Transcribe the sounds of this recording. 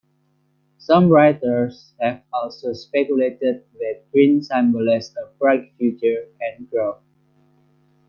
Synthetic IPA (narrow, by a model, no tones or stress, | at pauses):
sʌ̃mɹaɪtə˞s | hɛvɔlsospɛkjuletəd̚wɪdɡɹĩnsæ̃mbəlɛsəvbɹakfjut͡ʃəɹɛ̃nɡɹo